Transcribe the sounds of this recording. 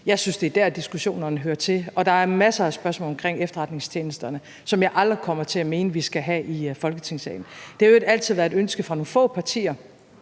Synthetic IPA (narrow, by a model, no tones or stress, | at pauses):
jɑ̈ɪsynsd̥e̝æd̥æɐ̰d̥isɡ̥uɕo̝̰ːnɐ̥enɦøːɐt͡sʰe̝ɒ̽d̥ɑ̈æɐmæsɐæsb̥ɶɐsmɔ̰ːlɒmkʰʁeŋ̰efd̥ɐʁɑ̈d̥ne̝ŋst͡ɕʰeːnəsd̥ɐnə | sɒ̽mjɑ̈ɪʔɑ̈ld̥ʁikʰɒ̽mɐt͡sʰe̝æme̝ːnəʋisɡ̥æɦɛʔifɒ̽lɡ̥ət͡sʰe̝ŋsɛ̰ɪn̩d̥e̝hɑeɡ̥æl̰t͡sʰiðˠʋæɐed̥ønsɡ̥əfʁɑ̈no̝ːnfɔ̰ːpʰɑ̈t͡sʰḭːɐ